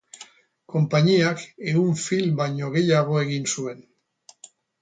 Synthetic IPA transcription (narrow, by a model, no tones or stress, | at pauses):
ko̞mpaɲiake̞uɱfilbajɲo̞ɣe̞jaɣ̞o̞e̞ɣinsue̞n